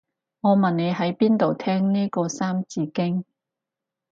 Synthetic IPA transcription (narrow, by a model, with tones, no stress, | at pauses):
ŋɔː˨˧mɐ˨nne˨˧jɦɐ˨˥jpiː˥nt̪o˨˩wt̪ʰɛː˥ŋniː˥kɔː˧saː˥mt͡siː˧kɪ˥ŋ